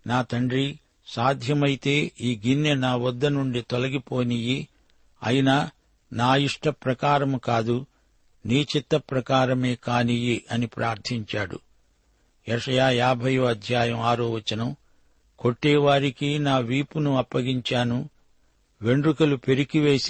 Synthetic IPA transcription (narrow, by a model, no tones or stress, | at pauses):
naːt̪ɐɳɖɾi | saːd̪ʱjɐmɐjt̪e̞ːiːɡinjɐnaːʋɐd̪ːɐnuɳɖit̪olɐɡipo̞ːniji | ɐ̰jinɐ | naːiʂʈɐpɾɐkaːɾɐmukaːd̪u | niːt͡ʃit̪ːɐpɾɐkaːɾɐmeːkaːnijiʔɐnipɾʔaːɾt̪ʰiɲt͡ʃaːɽṵ | jɛʂɐjaːjaːbʱɐjoːɐd̪ʱjaːjɐmaːɾoːʋɐt͡ʃːɐnɐm | ko̞ʈːɛːʋaːɾikinaːʋiːpunuɐpːɐɡiɲt͡ʃaːnu | ʋe̞ɳɖrukɐlupe̞ɾikiʋe̞ːs